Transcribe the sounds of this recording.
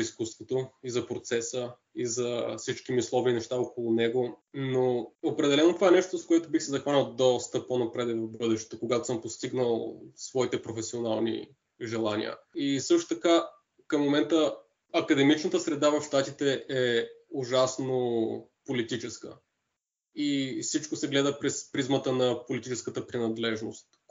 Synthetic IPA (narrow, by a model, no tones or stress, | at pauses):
iskust̪vot̪oizɐpɾot̪sɛsə | izɐfsit͡ʃk̟imiʊslˠɔvʲinɛʃt̪aokolˠʊnɛɡonoopɾɛd̪ɛlɛnot̪ovaɛnɛʃt̪ot̪oskoɛt̪obixsɛzɐxvanʲɐlˠd̪ɔst̪əponɐpɾɛd̪ɛvɐvbɤd̪ɛʃt̪ɛ̥t̪okoɡat̪o̥sɤmpost̪iɡnəlˠsvɔit̪ɛpɾofɛsionalˠnḭ | ʒɛlˠanʲḭə̰isɤʃt̪o̥t̪ɐka | kəmːomɛnt̪ə | ɐkɐd̪ɛmit͡ʃnət̪əsɾɛd̪avɐfʃt̪at̪it̪ɛʔɛʊʒasnopolit̪it͡ʃɛskə̰ | isit͡ʃkosɛɡlɛd̪əpɾɛspɾizmət̪ənɐpolit̪it͡ʃɛskət̪əpɾinɐd̪lɛʒno̰st̪